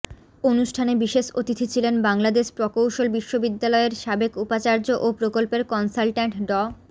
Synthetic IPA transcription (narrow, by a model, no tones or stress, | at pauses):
onuʃʈʰanebiʃeʃot̪it̪ʰit͡ɕʰilenbaŋlad̪eʃpɾɔkowʃolbiʃːobid̪ːalɔeeɾʃabekupat͡ɕaɾd͡ʑoʔopɾokolpeɾkɔnsalʈaɳʈɖɔ